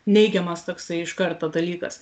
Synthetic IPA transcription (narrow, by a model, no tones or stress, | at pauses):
nʲɛɪɡʲɛmɐst̪oːksɐɪɪʃkɐɾt̪ɐd̪ɐlʲiːkɐ̰s